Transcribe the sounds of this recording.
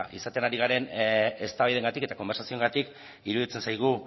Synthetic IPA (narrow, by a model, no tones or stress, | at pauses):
isat̪e̞naɾiɣ̞aɾe̞ne̞st̪aβajðe̞ŋɡat̪ike̞t̪ako̞mbe̞ɾsasioŋɡat̪ik | iɾuðit͡se̞nsajɣ̞u